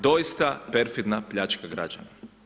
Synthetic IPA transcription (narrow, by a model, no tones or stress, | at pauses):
d̪o̞jist̪apeɾfid̪napʎat͡ʃkaɡɾa̰d͡ʒa̰na